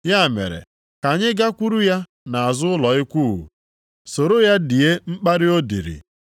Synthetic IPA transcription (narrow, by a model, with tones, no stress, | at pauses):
ja˦˨mḛ˨ɾḛ˨ | ka˨ɲɪ˦ɡa˦kʷu˦ɾu˦ja˦ | na˨a˨zʊ˦ʊ˦lɔ˨ɪ˦kʷu˦˨ɣṵ˨ | so˨ɾo˦ja˦di˨je˦m̩˦k͡pa˦ɾɪ˦o˦dḭ˨ɾḭ˨